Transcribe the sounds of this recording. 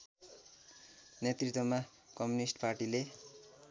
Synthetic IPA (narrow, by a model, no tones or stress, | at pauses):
net̪rit̪wʌma | kʌmjunisʈparʈile